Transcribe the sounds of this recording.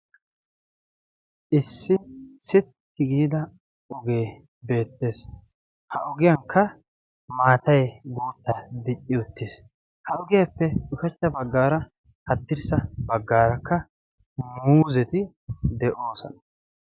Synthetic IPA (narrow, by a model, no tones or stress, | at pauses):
ʔɪsːɪsɪt̪ːɪɡiːd̪ɐ | ɔɡe̞ː | be̞ːt̪ːe̞ːs | hɐʔʊɡɪjɐŋkʰːɐ | maːt̪ʰɐjɡuːt̪ːɐd̪ɪt͡ʃʼːɪʊt̪ːɪs | hɐʔʊɡɪjɐpːɛʊkɛt͡ʃːɐbɐɡːaːɾɐ | hɐt̪ːɪɾsɐbɐɡːaːɾɐkʰːɐ | muːzɛt̪ɪ | d̪ɛʔo̞ːsɔ̰nɐ